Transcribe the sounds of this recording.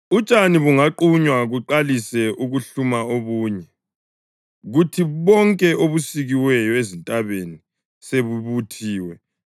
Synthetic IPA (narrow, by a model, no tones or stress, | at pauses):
ut͡ʃʼaniβuŋaǃuɲwaɣuǃalisɛʔuɣuɬumaoɣuːɲɛ | ɣutʰiβɔŋkʼɛʔoβusiɣiwɛjɔezintʼaβeni | seβuβutʰiːwɛ